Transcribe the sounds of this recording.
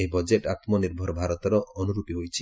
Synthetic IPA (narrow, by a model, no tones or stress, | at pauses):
eɦibɔd͡ʒeʈat̪mɔniɾbʱɔɾɔbʱaɾɔt̪ɔɾɔɔnuɾupiɦojt͡ʃʰi